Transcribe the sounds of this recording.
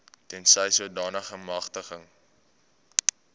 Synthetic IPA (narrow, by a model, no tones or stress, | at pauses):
tɛnsəjsuədɑːnəχəmɐχtəχəŋ